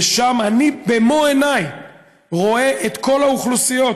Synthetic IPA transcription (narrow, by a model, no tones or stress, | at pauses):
ʃamanibemoenaj | ʁo̞e̞ʔet̪ko̞lauχlusijo̞